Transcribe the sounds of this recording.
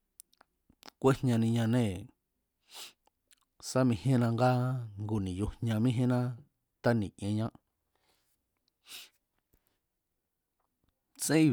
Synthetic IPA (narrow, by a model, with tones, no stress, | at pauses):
kʷe˦hɲã˧nĩ˧ɲã˧nẽ˦˨ | sa˦mĩ˧hẽ˦nã˧ŋɡa˦ŋɡu˨nĩ˨jo˧ɲã˧mĩ˦ɦẽ˦nã˦ | t̪a˦nĩ˨ʔẽ˧ɲã˦ʔ | t͡sẽ˦i˧